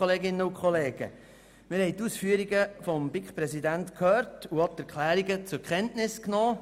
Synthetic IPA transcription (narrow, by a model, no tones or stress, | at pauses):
oleːɡɪnːəʊkχɔleːɡ̥ə̰ | mɪɾhɛɪtusfyːəɾiɡəfɔmbikχpɾɛsidæntkʰhøːɾtuɑt̪ɛɾkʰlæːɾiɡət͡sʊɾkχɛntnɪsknɔː